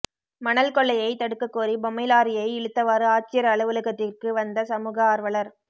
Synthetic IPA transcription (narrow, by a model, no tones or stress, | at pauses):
mɐnɐlkɔɭːɐjɐɪt̪ɐɽɯkːɐkːuːɾibɔmɐɪlaːɾɪjɐɪɪɭɯt̪ːɐʋaːɾɯaːt͡ʃːɪjɐɾɐɭɯʋɯlɯɣɐt̪ːɪrkɯʋɐnd̪ɐsɐmuːɣɐaːɾʋɐɭɐɾ